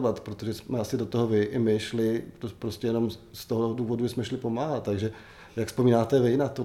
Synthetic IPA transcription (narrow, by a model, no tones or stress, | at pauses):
vat̪pɾot̪oʒɛsmɛasɪdo̞t̪oɦovɪʔɪmɪʃlɪopɾoscɛjɛno̞mst̪oɦoduːvo̞duʒɛsmɛʃlɪpo̞maːɦat̪̚t̪ːaɡʒɛ | jakspo̞miːnaːt̪ɛvɪnat̪o